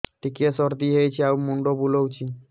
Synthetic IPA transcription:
ʈikesɔɾd̪iɦejt͡ʃʰiawmuɳɖobulowt͡ʃʰi

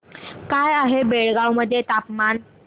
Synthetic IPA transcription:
kajaɦebeɭɡawməd̪ʱːjet̪apman

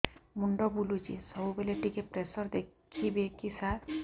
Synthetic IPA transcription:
muɳɖɔbulud͡ʒḭsɔbubeleʈikepɾesɔɾd̪ekʰibekisaɾ

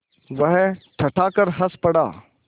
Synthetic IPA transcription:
ʋɐɦʈʰɐʈʰaːkəɾɦɐspɐɽa̰ː

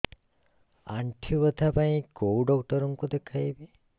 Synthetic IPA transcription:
aɳʈʰjuʋət̪ʰapaĩkouɖɔk̚ʈɔɾuŋkud̪ekʰajbi

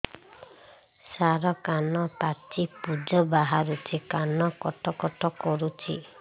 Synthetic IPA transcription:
saɾɔkanɔpat͡ʃipud͡ʒɔbaɦaɾut͡ʃʰikanɔkɔʈɔkɔʈɔkɔɾut͡ʃʰi

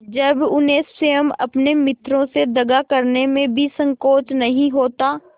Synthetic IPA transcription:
d͡ʒɐbʊneːsʃejəmɐ̰pnemɪt̪ʰɾõsed̪ɐɡakəɾnemẽbʱisə̃ŋkoːt͡ʃnɐɦĩɦoːt̪aː

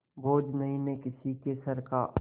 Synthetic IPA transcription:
boːd͡ʒnɐɦĩnekɪsikesɐɾka̰

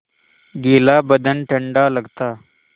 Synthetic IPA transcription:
ɡelabəd̪ənʈʰəɳɖaləɡt̪a

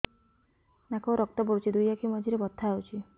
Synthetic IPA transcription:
nakɔɾɔk̚t̪ɔbɔɾut͡ʃʰid̪ujakimɔd͡ʒiɾebɔt̪ʰːaawt͡ʃʰi

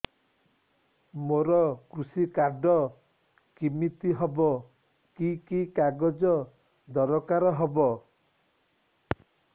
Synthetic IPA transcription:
moɾɔkɾusikaɾɖɔ | kimit̪iɦɔbɔ | kikikaɡɔd͡ʒɔ | d̪ɔɾɔkaɾɔɦɔbɔ

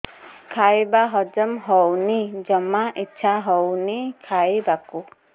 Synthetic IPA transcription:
kʰajbaɦɔd͡ʒɔmɦɔwnid͡ʒɔmaʔitːt͡ʃʰaɦɔwnikʰajbaku

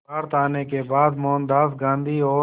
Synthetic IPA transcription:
aːɾt̪aːneːkeːbaːd̪moːnd̪aːsɡãːnd̪iːoː

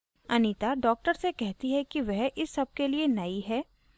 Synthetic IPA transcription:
ɐnit̪aɖɔːk̚ʈəɾsekɛɦt̪iɦɛkiʋɛɦʔɪsːɐb̚kelienɐiɦɛː

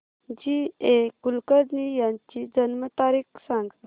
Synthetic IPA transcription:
d͡ʑiekulkədnijãɲt͡ɕid͡ʑənmət̪aɾiːksãŋɡ

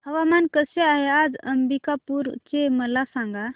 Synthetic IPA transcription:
həʋamankəseaɦɛad͡ʒəmbikapuɾt͡ʃeməlasãŋɡa

